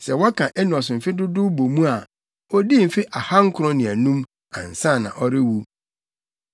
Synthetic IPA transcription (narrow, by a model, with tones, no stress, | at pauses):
sɛ˨wɔ˦kʰã˨ʔɛ˦nʊ̃˨ɔ˨sʊ˨m̩˨fɪ˦dʊ˦dʊ˦bo˨mũ˦a˨ | ɔ˦di˦m̩˨fɪ˦ʔa˨ha˦ŋ̩˦kʰʊ˦ɾɔ̃˦nɪ̃˨æ˨nũ˦m | ã̰˨n̩˨sã˦˨nã̰˨ʔɔ˦ɾɪ˦wu˦